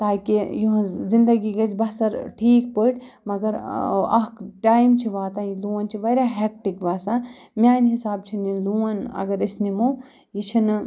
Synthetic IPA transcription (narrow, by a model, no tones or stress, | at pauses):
t̪aːkijuɦzind̪ɐɡiɡɐsbɐsɐɾʈʰiːk̚pəːʈ | mɐɡɐɾɐ̰ɦkʈaːjmt͡ʃʰiʋaːt̪aːiluːɐnt͡ʃʰiʋɐɾʲaɦɛk̚ʈikʋasã | mʲaːnɦisaːb̚t͡ʃʰiniluːɐnɐ̰ɡɐɾisnimu | jit͡ʃʰin